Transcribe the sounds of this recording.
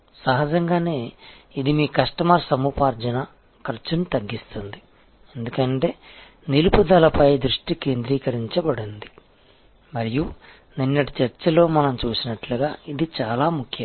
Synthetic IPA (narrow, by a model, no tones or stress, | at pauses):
sɐɦɐd͡ʒɐŋɡaːne̞ːid̪imiːkɐʂʈɐmaːɾsɐmuːpaːɾd͡ʒɐnɐ | kɐɾt͡ʃunut̪ɐɡːist̪und̪i | e̞nd̪ukɐɳʈe̞ː | nilupud̪ɐlɐpɐjd̪ɾuʂʈikeːnd̪ɾiːkɐɾiɲt͡ʃɐbɐɽɐnd̪i | mɐɾiju | ninːɐʈi̥t͡ʃɐɾt͡ʃɐlo̞ːmɐnɐmt͡ʃuːsinɐʈluɡaːid̪it͡ʃaːlaːmukʰjɐ